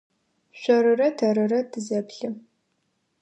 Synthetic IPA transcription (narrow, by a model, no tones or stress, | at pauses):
ɕʷɐɾɨrɐtʰɐɾɨrɐtʰɨzɐpɬɨ